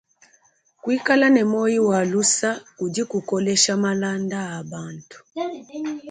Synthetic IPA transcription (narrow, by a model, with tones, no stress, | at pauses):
kwi˦ka˦la˦nɛ˨mɔ˦ji˦wa˨lu˦sa˦ku˨di˦ku˨kɔ˦lɛ˦ʃa˦ma˦la˦ndaː˦˨ba˦ntu̥˨